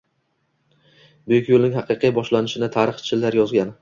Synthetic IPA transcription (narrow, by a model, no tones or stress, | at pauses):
bʊjɪkʲjolˠnɪŋhɑqʰɨqʰɨjbɒʃlanɪʃɪnat̪ʰaɾɨχt͡ʃʰɪlːaɾjɒzɡʲan